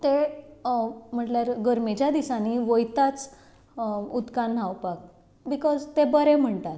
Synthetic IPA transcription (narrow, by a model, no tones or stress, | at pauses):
t̪e | m̤əʈljaɾɡəɾmet͡ɕjad̪isãniʋojt̪at͡s | ud̪kan̤ːawpak̚ | bikɔzt̪ebəɾem̤əɳt̪at̪